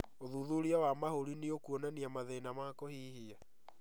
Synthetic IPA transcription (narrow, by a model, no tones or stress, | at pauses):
oðuðuɾiawamahoɾiniokuonaniamaðenamakohiːhia